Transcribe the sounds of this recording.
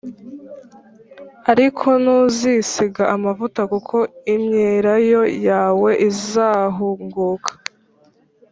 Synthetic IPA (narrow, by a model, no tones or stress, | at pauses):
aɾikʰo̞nuːzisiɡaʔamavutakukʰo̞imɲeɾajo̞jaːwe̞ʔizaːɦuŋɡuːkʰḁ